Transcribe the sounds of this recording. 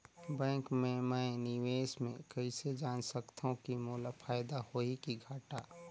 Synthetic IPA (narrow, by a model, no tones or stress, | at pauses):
bɛ̃ːŋkmẽmənɪweːsmẽkəɪsed͡ʒaːnsəkt̪ʰõkimoːlapʰaːjd̪ahoikiɡʱaːʈaː